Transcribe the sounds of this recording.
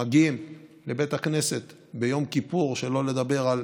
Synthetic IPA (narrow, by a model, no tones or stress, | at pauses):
aɡimle̞be̞t̪akne̞se̞t̪ | bejo̞mkipuʁʃe̞lole̞d̪abe̞ʁal